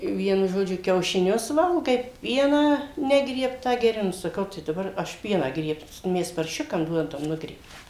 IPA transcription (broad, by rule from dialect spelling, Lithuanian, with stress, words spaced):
ˈʋʲiɛnʊ ʒoːˈd͡ʒʲʊ kʲɛʊʃʲɪˈnʲʊs ˈʋɐlˠɡɐɪ ˈpʲiɛnɑː ˈnʲæːɡrʲiɛptɑː ɡʲɛˈrʲɪ ˈnʊ sɐˈkɐʊ tɐɪ dɐˈbɐr ɐʃ ˈpʲiɛnɑː ˈɡrʲiɛps ˈmʲɛs pɐrʲˈʃʲʊkɐm ˈduɔdɐm ˈnʊɡrʲiɛptɑː